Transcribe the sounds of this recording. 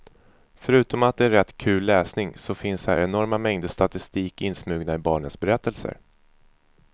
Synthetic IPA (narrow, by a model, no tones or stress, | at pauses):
fœɾʉ̟ːt̪ɔmat̪̚d̪ɛæɾɛt̪ːkʰʉ̟ːlːɛːsnɪŋsɔfɪnshæ̰ɾɛnɔɾmamɛŋd̪əst̪at̪ɪst̪iːkɪnsmʉ̟ːɡnaɪbɑːɳət̪sbɛɾɛt̪ʰːəlsə̰ɾ